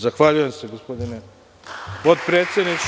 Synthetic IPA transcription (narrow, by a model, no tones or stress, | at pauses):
zaxʋaʎuje̞mse̞ɡospo̞d̪ine | pot̪pɾet̪sed̪nit͡ʃ